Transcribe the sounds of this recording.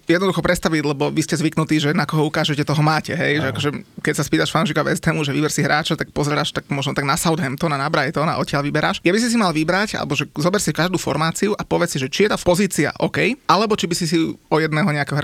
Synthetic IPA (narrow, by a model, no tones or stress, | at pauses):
jɛd̪nɔd̪uxɔpɾɛt̪st̪aʋiɟlɛbɔʋiscɛzʋiknut̪iːʒɛnakɔɦɔukaːʒɛcɛt̪ɔɦɔmaːcɛɦɛjʒɛakɔʒɛkɛcsaspiːt̪aʃfanuʃ̬ikaʋɛ̰st̪ɛːmuʒɛʋibɛɾsiɦɾaːt͡ʃat̪ak̚pɔzɛɾaːʃt̪akmɔʒnɔt̪aɡnasaʊd̪ɦɛmt̪ɔnanabɾajt̪ɔna̰ʔɔcɪaʎʋibɛɾaːʃɡjabis̬is̬imalʋibɾaca̰lɛ̰bɔʒɛzɔbɛɾsikaʒd̪uːfɔ̰ɾmaːt͡siuʔapɔʋɛt͡ssiʒɛt͡ʃijɛt̪apɔziːt͡sia̰ʔɔ̰kɛjʔalɛbɔt͡ʃibisis̬iɔjɛd̪nɛːɦɔɲɛakɛɦɾa